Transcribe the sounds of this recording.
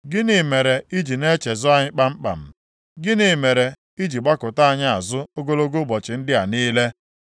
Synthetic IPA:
ɡɪ˦ni˨me˨ɾe˨i˦d͡ʒi˨ne˦t͡ʃe˨zʊ˦a˦ɲɪ˦k͡pa˦ŋ͡m̩˦k͡pa̰˨m̩˨ | ɡɪ˦ni˨˦me˨ɾe˨ | i˦d͡ʒi˨ɡ͡ba˦kʊ˨ta˦a˨ɲa˦a˨zʊ˦o˦ɡo˦lo˦ɡo˦bɔ˨t͡ʃɪ˨n̩˦dɪ˦a˨niː˦le˦

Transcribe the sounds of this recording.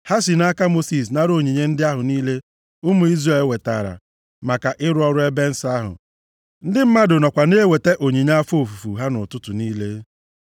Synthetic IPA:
ha˦si˨na˦ka˦mo˦si˨s̬na˦ɾo˨ɲi˨ɲe˦n̩˦dɪ˦a˦ɦʊ˨niː˦le˦ | ʊ˦mʊ˨i˦zɾe˨˦lwe˨ta̰˨ɾa̰˨ | ma˨ka˨ʔɪ˦ɾʊ˦ɔ˦ɾʊ˦e˦be˦n̩˦sa˦ɦʊ̰˨ | n̩˦dɪ˦m̩˦ma˦dʊ˨nɔ˨kʷa˨neː˦we˨te˦ʔo˨ɲi˨ɲ˦a˦fo˨fu˨fṵ˨ɦa˦nʊ˨tʊ˦tʊ˨niː˦le˦

